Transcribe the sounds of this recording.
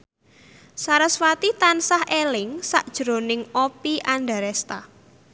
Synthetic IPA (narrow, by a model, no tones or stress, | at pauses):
saɾəswat̪it̪ansahʔelɪŋsa̰ʔd̥ʒ̥ɾo̤nɪŋopiʔanɖa̤ɾɛst̪a